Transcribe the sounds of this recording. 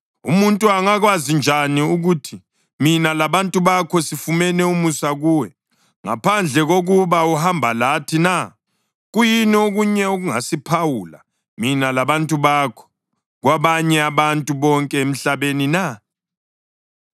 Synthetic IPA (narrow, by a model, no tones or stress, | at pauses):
ṵmuntʼuaŋaɣwazind͡ʒʱaniuɣutʰi | minalaβantʼuβakʰɔsifumɛnɛumusaɣuːwɛ | ŋa̰pʰand͡ɮʱɛɣoɣuβauɦambʱalatʰina | ɣujinioɣuɲɛuɣuŋa̰sipʰawula̰ | minalaβantʼuβakʰɔ̥ | ɣwaβaɲɛaβantʼuβɔŋkʼɛem̩ɬaβenina